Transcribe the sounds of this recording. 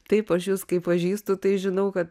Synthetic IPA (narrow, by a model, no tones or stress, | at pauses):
t̪ɐɪpɐʃjuːskɐɪpɐʒʲiːst̪ʊt̪ɐɪʒʲɪnɐʊkɐt̪